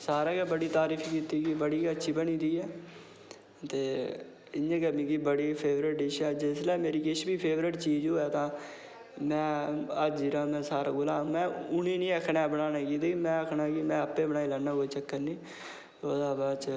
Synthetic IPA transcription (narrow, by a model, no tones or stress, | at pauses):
saːɾaːkeːbəɽiːt̪aːɾiːfʰkiːt̪iːɡiːbəɽiːkət͡ʃʃʰiːbənĩːd̪iːɛː | t̪eː | ɪnãːɡəmĩːkiːbəɽiːpʰeːʋɾɪʈ̚ɖɪʃɛːd͡ʒɪslɛːmeːɾiːkɪʃbiːpʰeːʋɾɪʈt͡ʃiːd͡ʒoːɛːt̪ãː | mɛ̃ːəd͡ʒd͡ʒɪɾãːmɛ̃ːsaːɾaːɡʊlãːmɛ̃ːʊnĩːnĩːəkʰnaːbəɽaːnaːkiːd̪eːkmɛ̃ːəkʰnaːkimɛ̃ːəpːẽːbəɳaːiːlɛːnːaːkoːiːt͡ʃəkːəɾnĩː | tod̪aːbaːt͡ʃ